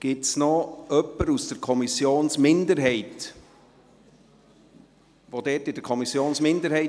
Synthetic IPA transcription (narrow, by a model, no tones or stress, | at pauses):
ɡ̥ɪtsnɔœpːəɾusd̥əɾkʰɔmisjoːnsmɪnd̪əɾɦɛɪt | ʋod̥̪ɛːtɪd̥əɾkʰɔmisːjoːnsmɪnd̪əɾɦɛɪ